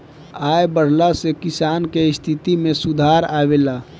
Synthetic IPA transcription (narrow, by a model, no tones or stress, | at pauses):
ajbəɽ̤lasekisankeist̪ʰit̪imesud̪ʱaɾabela